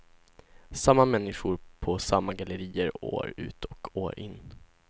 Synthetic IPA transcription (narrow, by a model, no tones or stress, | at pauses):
samːamɛnːɪɧʊɾpʰɔsamːaɡaləɾiːəɾo̰ːɾʉ̟̰ːt̪ʰɔkʰoːɾʔɪnː